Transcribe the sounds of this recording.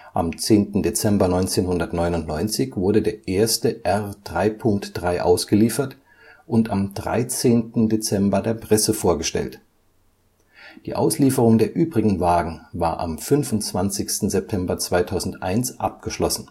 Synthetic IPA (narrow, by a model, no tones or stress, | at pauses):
ʔa̰mt͡seːntn̩det͡sɛmbɐnɔʏnt͡seːnhʊndɐtnɔʏnʊntnɔʏnt͡sɪçv̥ʊɐɾədeːɐʔeːɐstəʔɛʁd̥ʁaɪpʰʊŋktd̥ʁaɪʔa̰ʊsɡ̥əliːfɐt | ʔʊntamdʁa̰ɪt͡seːntn̩det͡sɛmbɐdeːɐpʁ̥ɛsəfoːɐɡəʃtɛ̰lt | d̥ḭːʔa̰ʊsliːfəʁ̞ʊŋdeːɐʔyːbʁɪɡŋ̩vaːɡŋ̩vaːɐʔa̰mfʏnfʊnt͡sv̥ant͡sɪçstn̩zɛp̚tʰɛmbɐt͡sv̥aɪtʰaʊzn̩tʔa̰ɪnsʔap̚ɡ̥əʃlɔsn̩